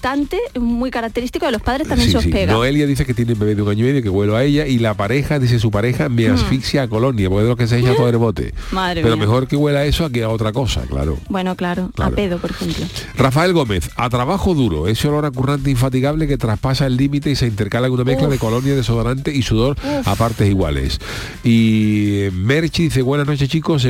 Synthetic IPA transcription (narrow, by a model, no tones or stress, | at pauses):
t̪ant̪emujkaɾak̚t̪eɾist̪ikoelo̞spaðɾesamjẽseosipeɣnoeljaðiθe̞ke̞t̪jenembe̞βe̞ðuŋãɲoime̞ðjoke̞ɣwe̞loae̞ʎailapaɾe̞xaðiθes̬upaɾe̞xameasfiksjaːko̞lõ̞njapoeðokes̬eeʃapoðɾeβo̞t̪e̞̰maðɾepeɾome̞xo̞ɾke̞ɣwe̞lae̞soak̬iao̞t̪ɾako̞sa̰kla̰ɾo̰bwenoklaɾokla̰ɾ̰peðopoɾexemplorafae̞lɣo̞me̞θat̪ɾaβaxo̞ðuɾo̞̰e̞soloɾakurãnt̪̬eiɱfat̪̬iɣaβle̞ke̞t̪ɾaspasaelːimit̪eise̞int̪e̞ɾkalaeunamehklaðeko̞lo̞njaðe̞soðaɾant̪eisuðo̞ɾa̰paɾt̪e̞siɣwa̰le̞̰s | i | me̞ɾt͡ʃiðiθeβwe̞nazno̞t͡ʃe̞st͡ʃikos̬